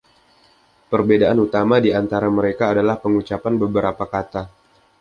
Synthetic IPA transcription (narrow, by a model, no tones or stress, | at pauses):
pərbedaʔanut̪amadiant̪aɾaməɾekaːdalahpəŋut͡ʃapanbəbəɾapakat̪a